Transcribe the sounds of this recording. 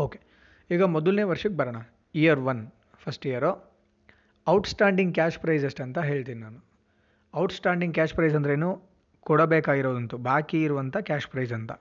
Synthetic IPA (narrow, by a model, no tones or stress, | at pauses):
oːke | iːɡɐmɔd̪ɐlne̞ːʋɐɾʂɐkːebɐɾɐɳɐ | ijɐɾʋɐn | pʰɐsʈijɐɾo | ɐwʈsʈaːɳɖiŋɡkʲaːʂpɾɐjzɐsʈɐnt̪ɐɦe̞ːɭt̪iːninaːnu | ɐwʈsʈaːɳɖiŋɡkʲaːʂpɾɐjzɐnd̪ɐɾeeːnuː | kɔɽɐbeːkaːɡiɾoːd̪ɐnt̪ubʱaːkiːɾuʋɐnt̪ʰɐkʲaːʂpɾɐjzɐnt̪ɐ